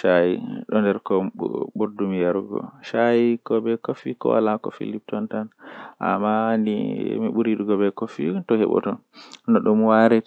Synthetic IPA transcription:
ʃajiɗɔndɛɾkɔ̰ɓoɾdumijaɾɡɔ̰ʃajikɔbɛkofikɔ̰wa̰lakɔfḭlip̚tɔntanʔa̰mːanḭmiɓuɾiɗuɡɔbɛkofitɔhɛ̰ɓɔ̰tɔ | nɔɗumwaɾɛt

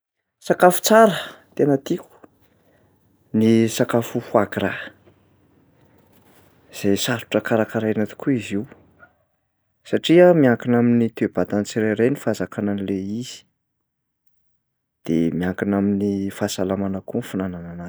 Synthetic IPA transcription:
sakafu̥t͡saɾət̪enət̪iku̥ | nisakafufuaɡɾa | iz̥ajsaɾu̥ʈ͡ʂəkaɾakaɾajnat̪i̥kuiziw | saʈ͡ʂiəmiaŋkinaminit̪eb̥at̪ant͡siɾeɾenifazakananileiz̥i̥ | d̪̥emiaŋkinaminifasalamanəkunfunananana

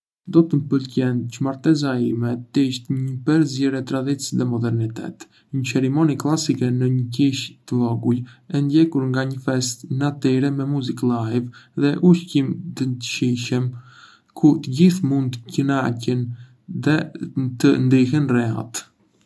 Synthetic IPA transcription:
d̪ɔt̪əmpəlcɛnt͡ʃmaɾt̪ɛzaimɛt̪əiʃt̪ɲəpɛɾzɛɾɛt̪ɾad̪it͡sðɛmɔd̪ɛɾnit̪ɛ̰t̪ | ɲəsɛɾimɔniklˠasikɛnəɲəkiʃt̪əvɔɡujɛnd̪jɛkuɾŋɡaɲəfɛst̪nat̪iɾɛmɛmuziklajvðɛʔuʃcimt̪ənt̪əʃiʃəm | kʰut̪əɟiθmund̪cənacən | ðɛt̪ənd̪ihɛnrɛa̰t̪

